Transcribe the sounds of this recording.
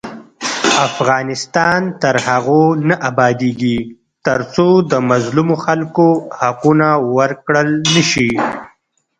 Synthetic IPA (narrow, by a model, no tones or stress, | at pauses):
afɣɑːnɪst̪ɑnt̪əɾhaɣonaʔabɑːd̪eɡi | t̪əɾt͡sod̪əmazlumoxalkohaqunawəɾkɽəlnəʃi